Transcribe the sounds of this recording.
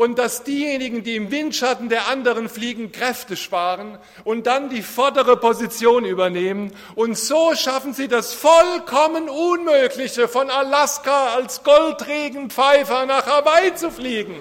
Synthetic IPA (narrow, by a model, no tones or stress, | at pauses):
ʔʊnt̚d̥asd̥iːjeːnɪɡŋ̩diːɪmvɪntʃatn̩deːɐʔandəʁənfliːɡŋ̩kʁ̥ɛftəʃpaːʁən | ʔʊnt̚d̥andiːfɔɐdəʁəpozit͡sjoːnyːbɐneːmən | ʔʊntz̥oːʃafn̩ziːdasfɔlkʰɔmənunmøːklɪçəfɔnalaskaalsɡ̥ɔltʁeːɡŋ̩pp͡faɪfɐnaːχhɛɐbaɪt͡sufliːɡŋ̩